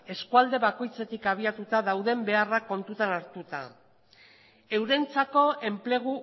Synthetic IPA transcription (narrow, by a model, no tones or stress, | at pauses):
e̞skuald̪e̞βako̞jt͡se̞t̪ikaβ̞iat̪ut̪aðawðe̞mbe̞arako̞nt̪ut̪anaɾt̪ut̪a̰ | e̞wɾe̞jnt͡sako̞e̞mple̞ɣ̞u